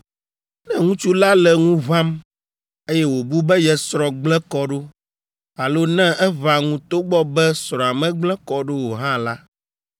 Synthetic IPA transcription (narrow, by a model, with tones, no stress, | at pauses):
nɛ̃˦ŋũ˦t͡ʃu˦la˦lɛ˨ŋũ˦vã˦m | e˦jɛ˦wo˨bu˦bɛ˦jɛ˨sɾɔ˨ɡ͡blɛ̃˦kɔ˦ɖo˦ | a˨lo˦nɛ̃˦ɛ˦va˨ŋũ˨t̪o˦ɡ͡bɔ˦bɛ˦sɾɔ̃˨a˨mɛ̃˦ɡ͡blɛ̃˦kɔ˦ɖo˦wo˨ɦã˦la˦